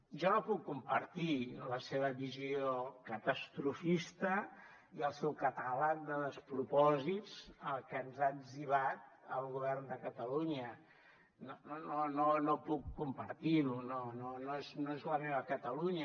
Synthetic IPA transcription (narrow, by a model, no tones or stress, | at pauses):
ʒɔnopukːumpəɾt̪iləseβ̞əβiziokət̪əst̪ɾufist̪ə | iəlˠsɛwkət̪əlak̚d̪əðəspɾupɔzit͡səlˠkənzadziβ̞at̪̚əlˠɣuβɛrnd̪əkət̪əluɲə | nononononopukːumpəɾt̪iɾunononoeznoezləmeβəkət̪əluɲə